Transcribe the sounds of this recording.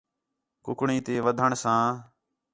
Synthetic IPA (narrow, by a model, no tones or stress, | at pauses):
kʊkɳĩːt̪eːʋəd̪ʱəɳsãː